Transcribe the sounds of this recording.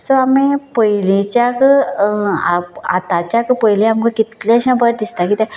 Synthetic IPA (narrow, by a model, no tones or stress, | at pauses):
soamẽpəilẽt͡ɕak | aa̰t̪at͡ɕjakpəɦilẽamkəkit̪lẽəɕãbəɾd̪ist̪akit̪ɛ̃